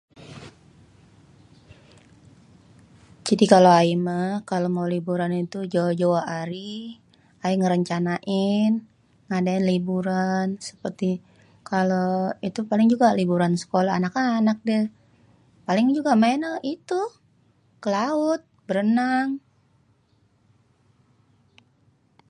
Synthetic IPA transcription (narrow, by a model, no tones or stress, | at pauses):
d͡ʒadikaloaiməkalomaulibuɾanit̪ud͡ʒawad͡ʒawaaɾi | aiŋəɾəɲt͡ʃanaʔɪn | ŋadaɪnlibuɾansə̥pərt̪i | kaloit̪upalɪŋd͡ʒuɡalibuɾansə̥kolaːnakaːnak̚də | palɪŋd͡ʒuɡamaɛnaʔit̪u | kəlaʊt̪̚bəɾənaŋ